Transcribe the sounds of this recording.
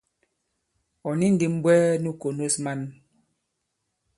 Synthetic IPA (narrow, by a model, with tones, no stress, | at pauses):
ɔ˨ni˦n̩˦di˨m˦bwɛː˦nu˦ko˨no˦sma˦n